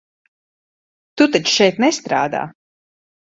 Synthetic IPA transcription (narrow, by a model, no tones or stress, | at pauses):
t̪ut̪at͡ʃʃɛjt̪nɛst̪ɾaːd̪a̰ː